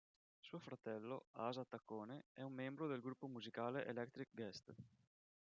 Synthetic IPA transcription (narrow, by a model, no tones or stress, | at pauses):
suːofɾat̪ɛlːo̰azat̪ːakːoːneɛumːɛmbɾod̪elɡɾupːomuzikaːleʔelɛk̚t̪ɾik̚ɡɛst̪